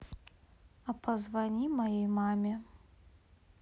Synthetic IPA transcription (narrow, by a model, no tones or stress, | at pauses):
ɐpʰɐzvɐnʲimɐjejmamʲe